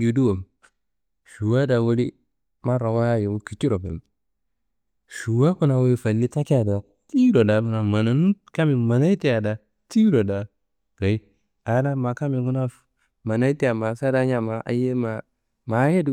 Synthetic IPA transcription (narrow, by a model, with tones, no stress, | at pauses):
ju˨du˦wo˨m | ʃu˨wa˦da˨wu˦li˦ | ma˦ɾa˨wa˦je˨wu˦ki˨t͡ʃi˦ɾo˨bḛ˨m | ʃu˨wa˦ku˦na˨wu˦i˦fa˨lːi˦ta˦ki˦ja˨da˨ | ti˦ɾo˨da˨ku˨na˨ma˨na˨nu˦ | ka˦mi˨ma˨na˦i˦ti˦ja˨da˨ | ti˦ɾo˨da˨ | ɡ̥a˨i˦ | a˨˦na˦ma˨ka˦mi˨ɡu˦na˦ | ma˨na˦i˦ti˦ja˨ma˨sa˦da˦ɲa˨ma˨ʔa̰˨je˦ma˨ | ma˨˦je˦du˦